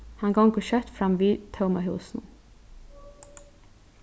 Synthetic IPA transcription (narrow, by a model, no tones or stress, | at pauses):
hɑnɡɑŋkəʃœt̪fɾɑmʋiːt̪ʰəʊmɑɦʉ̰ːsnn